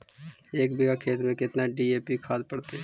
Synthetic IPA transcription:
eːkbɪɡakʰeːt̪mẽkɪt̪naɖieːpikʰaːd̪pəɽt̪e

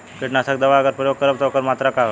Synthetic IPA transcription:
keʈnasak̚d̪əʋaəɡəɾpɾəjoɡ̚kəɾəbt̪ɔkəɾmat̪ɾakaɦ

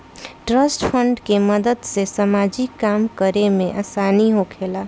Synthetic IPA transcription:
ʈɾəsʈpʰəɳɖkeməd̪əd̪sesəmaːd͡ʒikːaːmkəɾemẽʔaːsaːniɦokʰeːla

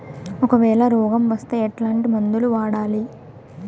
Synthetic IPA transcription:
ɔkɐʋɛːɭɐɾɔːɡɐmʋɐst̪e̞ːɐʈlaːɳʈimɐnd̪uluʋaːɽaːli

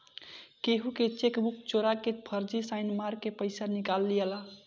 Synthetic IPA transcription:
keɦuket͡ʃekbuk̚t͡ʃoɾakepʰəɾd͡ʒisaɪnmaɾkːepəɪsanikalːijela

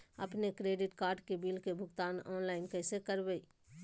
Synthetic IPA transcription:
ɐ̰pnekɾeːɖɪʈkaːɾɖkebiːlkebʱʊɡt̪aːnɔːnlaːɪnkɛːsekəɾbei

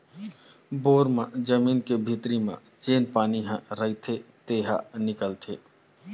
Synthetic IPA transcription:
boːɾmãd͡ʒəmiːnkebʱit̪ɾimã̰ | t͡ʃeːnpaːniɦãɾəit̪ʰet̪eːɦa̰nɪkəlt̪ʰeː

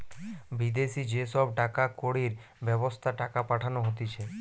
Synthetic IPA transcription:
bid̪esid͡ʒesɔbʈakakoɽiɾ | bjɛbost̪ʰaʈakapaʈʰanoɦot̪it͡ʃʰe

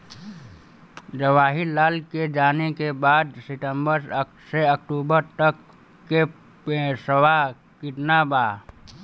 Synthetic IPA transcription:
d͡ʒəʋaːɦilaːlked͡ʒaːnekebaːd̪sɪʈə̃mbəɾ | seɐkʈuːbəɾt̪əkː | e | səwa | kɪʈnabaː

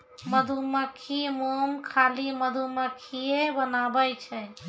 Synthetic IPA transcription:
məd̪ʱuməkʰimomkʰaliməd̪ʱuməkʰiebənabəjt͡ʃʰɛ

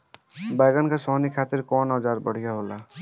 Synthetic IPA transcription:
baːɡənkasɔːnikʰaːt̪ɪɾkɔːnɔd͡ʒaːɾbəɽ̤ijaɦoːla

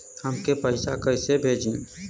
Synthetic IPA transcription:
həmkepəɪsakəɪsebʱeːd͡ʒin

